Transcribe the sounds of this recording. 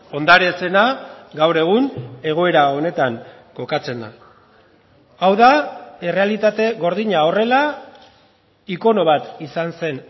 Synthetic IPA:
o̞nd̪aɾe̞se̞naɡawɾe̞ɣ̞une̞ɣ̞o̞e̞ɾao̞ne̞t̪aŋ | ko̞kat͡se̞na | awðae̞re̞alit̪at̪e̞ɣo̞ɾðiɲao̞re̞la | iko̞no̞βat̪isanse̞n

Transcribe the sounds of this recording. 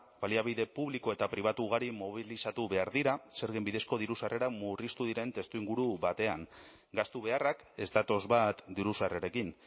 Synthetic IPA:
baliaβ̞iðe̞puβliko̞e̞t̪apɾiβ̞at̪uɣ̞aɾimoβ̞ilisat̪uβe̞aɾðiɾase̞ɾɣembiðe̞sko̞ðiɾusare̞ɾamurist̪uðiɾe̞nt̪e̞st̪uiŋɡuɾuβat̪e̞aŋ | ɡast̪uβ̞e̞arake̞st̪at̪o̞zβat̪d̪iɾusareɾe̞kin

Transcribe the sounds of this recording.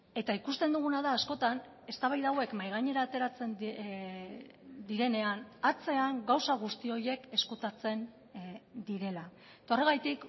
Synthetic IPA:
e̞t̪aikust̪e̞nd̪uɣunaðaːsko̞t̪an | e̞st̪aβajðawe̞kmajɣ̞aɲe̞ɾaːt̪e̞ɾat͡se̞n | d̪iɾe̞ne̞anat͡se̞aŋɡawsaɣ̞ust̪io̞je̞ke̞skut̪at͡se̞n | d̪iɾe̞la | et̪o̞re̞ɣ̞ajt̪ik

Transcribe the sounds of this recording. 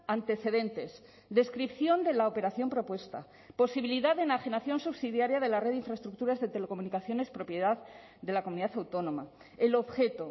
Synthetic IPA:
ant̪e̞θe̞ðe̞nt̪e̞s | d̪e̞skɾipθjo̞nd̪e̞laope̞ɾaθjo̞mpɾo̞pwe̞st̪a | po̞siβiliðaðenaxinaθjo̞nsuβsiðjaɾjaðe̞lareðiɱfɾaest̪ɾuk̚t̪uɾazðe̞t̪e̞le̞ko̞munikaθjo̞ne̞spɾo̞pje̞ðað | d̪e̞lakomuniðaθawt̪o̞nõ̞ma | elo̞βxe̞t̪o

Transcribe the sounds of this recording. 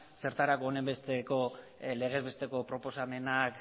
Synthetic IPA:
se̞ɾt̪aɾakoːne̞mbe̞st̪e̞ko̞ | le̞ɣ̞e̞zβe̞st̪e̞ko̞pɾo̞po̞same̞nak

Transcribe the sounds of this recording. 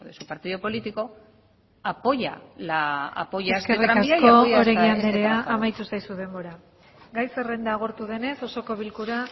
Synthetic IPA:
ðesupaɾt̪iðopo̞lit̪iko̞ | apo̞ja̰laa̰pojaskeriɾt̪akooɾeɣiand̪eɾe̞aamajt̪usajsuðe̞mbo̞ɾa | ɡajse̞re̞nd̪aːɣ̞o̞ɾt̪uðe̞ne̞so̞so̞ko̞β̞ilkuɾa

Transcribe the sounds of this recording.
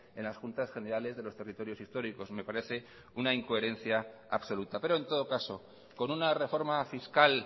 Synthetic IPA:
e̞nlasxunt̪asxe̞ne̞ɾale̞zðe̞lo̞st̪e̞rit̪o̞ɾjo̞sist̪o̞ɾiko̞sme̞paɾe̞θe̞ | unaiŋkoe̞ɾe̞n̟θja | a̰βso̞lut̪ape̞ɾo̞e̞nt̪o̞ð̞o̞kaso̞ | ko̞nunare̞fo̞ɾmafiskal

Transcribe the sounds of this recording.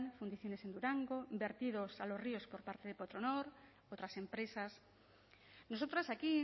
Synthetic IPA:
nfund̪iθjo̞ne̞se̞nd̪uɾaŋɡombe̞ɾt̪ið̞osalo̞sriospo̞ɾpaɾt̪e̞ðepot̪ɾonoɾ | ot̪ɾase̞mpɾe̞sas | nosot̪ɾasaki

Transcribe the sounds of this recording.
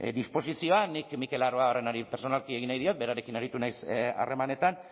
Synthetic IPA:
d̪ispo̞sisio̞anikmike̞laroao̞re̞naɾipeɾso̞nalkieɣinajðio̞t̪̚be̞ɾaɾe̞kinaɾit̪unajsa̰re̞mane̞t̪an

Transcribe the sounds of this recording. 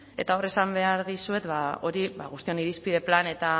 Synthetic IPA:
e̞̰t̪ao̞re̞sambe̞aɾðisue̞t̪βao̞ɾiβaɣust̪ioniɾispiðe̞plane̞t̪a

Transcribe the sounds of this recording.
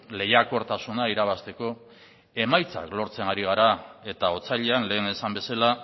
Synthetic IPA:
le̞jako̞ɾt̪asunaiɾaβ̞ast̪e̞ko̞ | e̞majt͡sa̰klo̞ɾt͡se̞naɾiɣ̞aɾae̞t̪ao̞t͡saʎe̞anle̞ːnesambe̞sala

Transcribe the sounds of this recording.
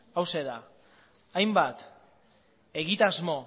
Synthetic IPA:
awse̞ða | ajmbat̪ | e̞ɣit̪azmo̞

